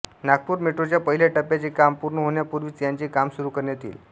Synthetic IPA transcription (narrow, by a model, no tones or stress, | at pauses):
naɡ̚puːɾmeʈɾot͡ɕjapəɦileʈəpjat͡ɕiːkampuɾɳəɦoɳjapuɾʋiːt͡sjaɲt͡ɕiːkamsuɾuːkəɾnjet̪ḭːl